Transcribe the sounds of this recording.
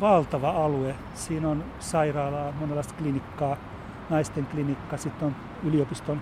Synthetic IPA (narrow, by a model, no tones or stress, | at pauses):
ʋɑlt̪ɑʋɑɑlue | siːnon | sɑirɑːlɑːmonelːˑɑˑist̪klinikːɑː | nɑist̪eŋklinikːɑsit̪ːon | yliopist̪on